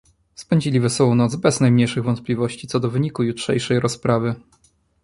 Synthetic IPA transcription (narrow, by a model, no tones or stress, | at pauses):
spɛɲd͡ʑilʲivɛsɔwɔ̃w̃nɔt̪zbɛznajmɲejʂɘɣvɔnt̪̚plʲivɔɕt͡ɕit̪sɔd̪ɔvɘɲikujutʂɛ̰jʂɛjɾɔspɾavɘ